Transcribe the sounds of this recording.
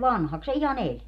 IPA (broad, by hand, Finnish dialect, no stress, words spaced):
ʋɑnhɑks se ihɑn elʲ